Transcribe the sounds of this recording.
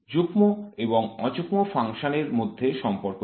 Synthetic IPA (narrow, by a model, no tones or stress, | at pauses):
d͡ʑukmoeboŋɔd͡ʑukmofʰaŋʃoneɾmod̪ʱːeʃɔmpoɾko